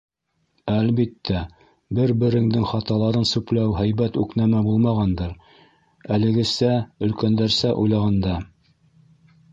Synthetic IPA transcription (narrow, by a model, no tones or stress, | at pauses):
ælbit̪ːæ | bɘɾbɘ̆ɾɘ̆ŋd̪ɘŋχɑt̪ɑlˠɑɾɤnsʉplæwɦæjbæt̪ʉknæmæbulˠmɑʁɑnd̪ɤɾ | ælɘ̆ɡɘ̆sæɵ̆lkænd̪æɾsæʔujlˠɑʁɑnd̪ɑ